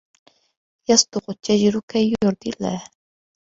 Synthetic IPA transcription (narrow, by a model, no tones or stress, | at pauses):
jasˤd̪ʊqʊt͡ʃad͡ʒɾʊkajʊɾd̪ɪlːa̰ːh